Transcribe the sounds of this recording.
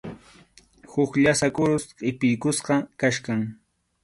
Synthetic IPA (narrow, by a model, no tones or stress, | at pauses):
hʊkʎasakʊɾʊsqʼɪpɪjkʊsqɑkaʃkaŋ